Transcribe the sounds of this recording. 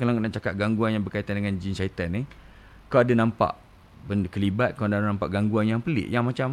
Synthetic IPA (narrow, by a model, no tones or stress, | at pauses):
kalakənaʔt͡ʃakat̪̚ɡaŋɡuanjaŋbərkait̪andəŋand͡ʒinsait̪ani | kawadanãmpa̰ʔ | bənkəlibat̪̚kawdanãmpa̰ʔɡaŋɡuanjaŋpəlɪ̰ʔjaŋmat͡ʃam